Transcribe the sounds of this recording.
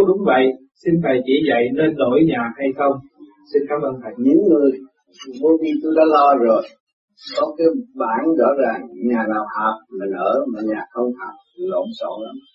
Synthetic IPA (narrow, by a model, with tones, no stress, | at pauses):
ɗʊ˨˦ŋ͡mvə̰˧˨j | si˧nfaː˨˩jt͡ɕi˧˩zə̰˧˨jne˧nɗo̰˧˩˦jɲaː˨˩ha˧jxə˧wŋ͡m | si˧nkaː˨˦mʔəː˧nta˨˩j̚ɲi˨˦nŋɨ˧əj | vo˨˦ki˧t̪u˧ɗa̰ː˨˦lɔ˧zo˨˩j | kɔ˨˦kaː˨˦jɓaː˧˩nzɔ̰ː˧˥zaː˨˩ŋɲaː˨˩naː˨˩wha˨˩p̚maː˨˩nəː˧˩maː˨˩ɲaː˨˩xə˧wŋ͡mha˨˩p̚i˨˩lo̰˧˨nso̰˧˩˨la˨˦m